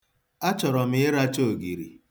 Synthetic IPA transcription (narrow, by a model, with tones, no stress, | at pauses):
a˦t͡ʃɔ˨ɾɔ˨m̩ɪ˨˦ɪ˦ɾa˦t͡ʃo˦˨ɡi˨ɾḭ˨